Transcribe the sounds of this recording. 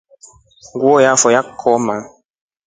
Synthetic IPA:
ŋɡwɔjafɔjakʰːɔmaŋ

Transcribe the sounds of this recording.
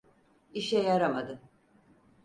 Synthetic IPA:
iʃɛjaɾamad̪ɯ

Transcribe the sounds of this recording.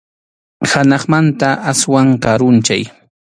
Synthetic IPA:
hanɑχmant̪aʔaswaŋkaɾʊnt͡ʃa̰j

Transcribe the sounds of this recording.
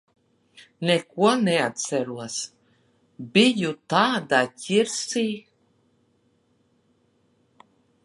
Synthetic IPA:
nekuɔnɛat̪̚t̪sæɾuɔs | bijut̪aːd̪acʲiɾsiː

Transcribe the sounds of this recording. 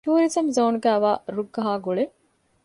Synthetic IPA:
t̪uːɾizɐmzɐːnuɡæːʋaːɾuɡːɐɦaːɡuɭe

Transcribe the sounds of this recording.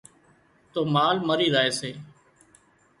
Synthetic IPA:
t̪oːmaːlməɾiːzaːeːseː

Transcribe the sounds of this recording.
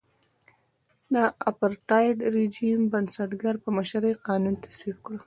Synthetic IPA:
d̪əapaɾʈɑjɖɾed͡ʒimbansaʈɡaɾpəməʃɾəjqɑnunt̪ḁswib̚kɽə

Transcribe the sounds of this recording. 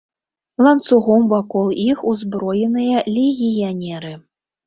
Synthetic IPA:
lˠant̪suɣɔmvakɔlˠixuzbɾɔjɛnɨjɐlʲeɣʲijanʲɛɾɨ

